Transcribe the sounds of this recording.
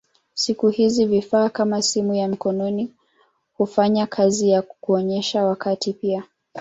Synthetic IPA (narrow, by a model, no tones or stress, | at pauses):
sikuhizivifaːkamasimujam̩kɔnɔni | hufaɲakʰazijakuɔɲɛʃawakatipia